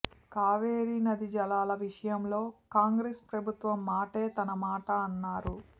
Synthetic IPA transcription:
kaːʋeːɾinɐd̪id͡ʒɐlaːlɐʋiʂɐjɐmlo̞ːkaːŋɡɾespɾɐbʱut̪ʋɐmːaːʈeːt̪ɐnɐmaːʈɐːnːaːɾu

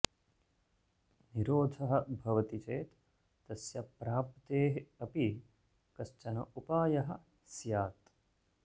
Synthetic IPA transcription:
niɾoːd̪ʱɐɦɐ̆bʱɐʋɐt̪it͡ʃeːt̪ | t̪ɐsjɐpɾaːp̚t̪eːɦɐpi | kɐʃt͡ʃɐnɐ̰ʔupaːjɐɦɐ̆ | sjaːt̪

